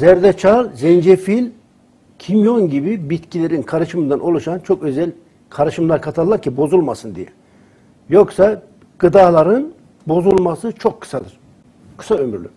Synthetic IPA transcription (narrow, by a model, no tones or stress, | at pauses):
zæɾd̪ɛt͡ʃʰalzɛnd͡ʒefilʲ | cʰimjo̞nɟibibit̪cʰilʲe̞ɾinkʰaɾɯʃɯmɯnd̪anʔo̞lˠuʃant͡ʃʰo̞kø̞zɛlʲ | kʰaɾɯʃɯmlˠaɾkʰat̪ʰalˠːaɾcʰibo̞zulˠmasɯnd̪ḭjɛ̰ | jo̞ksa | ɡ̥ɯd̪aːlˠaɾɯn | bo̞zulˠmasɯt͡ʃʰo̞kʰːɯ̥sad̪ɯɾ̥ | kʰɯ̥saømy̰ɾlʲy̰